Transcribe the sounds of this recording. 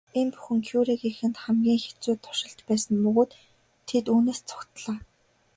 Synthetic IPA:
enpu̥xɘ̆ŋkʰjuɾeɣixɘ̆nt̪χæmɡʲiːŋxe̥t͡suːt̪ʰːʊ̥ʃɪ̆ɬt̪pæːsə̆nmɵɣʊːt̪ʰː | et̪uːneːst͡sʰʊ̥kt̪ɮaː

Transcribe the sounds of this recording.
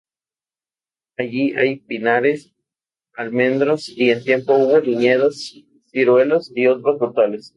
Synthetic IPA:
aʝiʔajpinaɾes | almẽnd̪ɾosie̞nt̪je̞mpo̞uβoliɲeðas | siɾwelasiot̪ɾasβot̪ales

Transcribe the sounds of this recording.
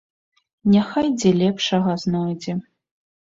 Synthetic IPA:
nʲaxajd͡zʲɛlʲɛpʂɐɣɐznɔjd͡zʲɛ

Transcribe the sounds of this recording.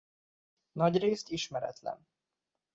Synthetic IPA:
nɒɟreːst̪iʃmɛɾɛ̰t̪lɛ̰n

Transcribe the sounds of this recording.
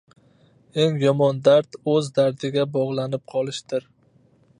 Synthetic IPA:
e̞ŋjɒmɒnd̪aɾt̪ɵzd̪aɾd̪ɪɡʲabɒʁlˠanɪp̚qʰɒlˠɪʃt̪ɪɾ

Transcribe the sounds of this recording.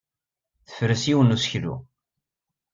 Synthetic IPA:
θə̥fɾəsiwənusəçðṵ

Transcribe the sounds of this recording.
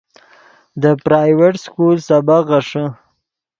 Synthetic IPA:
d̪əpɾɑjweʈskulsabaɣaʂə

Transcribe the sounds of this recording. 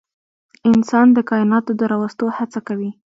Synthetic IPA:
ɪnsɑnd̪əkɑɪnɑt̪od̪əɾɑwast̪ohat͡sakawi

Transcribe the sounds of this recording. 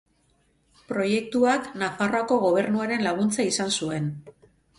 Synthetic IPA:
pɾo̞je̞k̚t̪uaknafaro̞ako̞ɣ̞o̞β̞e̞ɾnuaɾe̞nlaɣ̞unt͡saisansue̞n

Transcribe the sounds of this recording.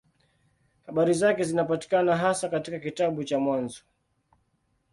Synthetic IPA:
haɓaɾizakɛzinapati̥kanaɦasakatikakitaɓut͡ʃamwanzɔ

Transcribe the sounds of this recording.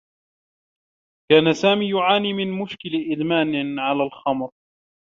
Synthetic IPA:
kaːnasaːmiːjʊʕaːniːmɪnmʊʃkɪlʔɪd̪maːnɪʕalaːlxɑmɾ

